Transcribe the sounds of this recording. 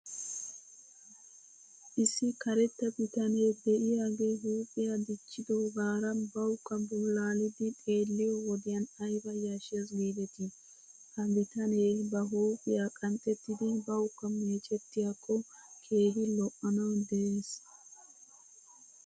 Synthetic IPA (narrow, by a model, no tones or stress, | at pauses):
ʔɪsːɪkɐɾɛt̪ːɐbɪt̪ɐneːd̪ɛʔɪjaːɡe̞ːɦuːpʼːɪjad̪ɪt͡ʃːɪd̪oːɡaːɾɐnbɐwʊkʼːɐbʊlaːlɪd̪ɪt̪ʼe̞ːlːɪjɔwɔd̪ɪjɐnɐjbɐjaʃeːsɡiːd̪ɛt̪ɪ | hɐbɪt̪ɐneːbɐɦuːpʼːɪjaːkʼɐnt͡sʼɛt̪ːɪd̪ɪbɐwʊkːɐmeːt͡ʃʼɛt̪ːɪjakʼːɔkʰe̞ːɡɪlɔʔːɐnɐwd̪ɛʔeːs